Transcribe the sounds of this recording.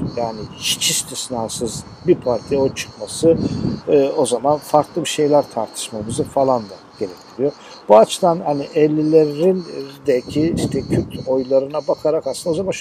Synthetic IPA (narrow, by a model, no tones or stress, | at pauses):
jaːniit͡ʃʰist̪ʰisnaːsɯz | bipʰaɾt̪ʰijont͡ʃʰɯ̥kmasɯ | o̞zamanfaɾklˠɯbiʃe̞jlʲæɾt̪ʰaɾt̪ʰɯ̥ʃmamɯzɯfalˠand̪a | ɟ̥e̞ɾɛc̚tʰiɾijoɾ | b̥uat͡ʃʰɯd̪anhaniʔɛlʲːilʲeɾind̪ɛlʲcʰiiʃt̪ʰɛcʰyɾt̪ʰo̞jlˠaɾɯnabakʰaɾakasɯnd̪aozamanʃ